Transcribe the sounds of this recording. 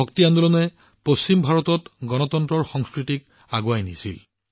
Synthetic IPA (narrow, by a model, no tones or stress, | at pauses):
ɔktiandolɔnɛ | post͡ɕimbʱaɹɔtɔtɡɔnɔtɔntɹɔɹxɔŋskɹitik | aɡwajnḭsḭl